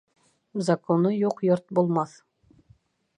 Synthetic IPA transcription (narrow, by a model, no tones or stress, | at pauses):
zɐkonɤjuqjoɾt̪̚bulˠmɑθ